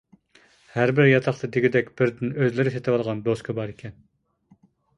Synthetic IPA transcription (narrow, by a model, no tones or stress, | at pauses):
hæɾbɪɾjɑt̪ʰɑχt̪ʰɨd̪ɪɡʲɪd̪ɛkʲb̥ɪɾd̪ɪnøzlɪɾɪset̪ʰɪwɑlˠʁɑnd̪oskʰɑbɑɾikʲʰɛn